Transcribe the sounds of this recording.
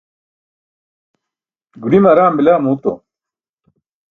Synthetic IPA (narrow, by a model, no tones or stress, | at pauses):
ɡuɽimɐɾaːmbilaːmuːt̪o̰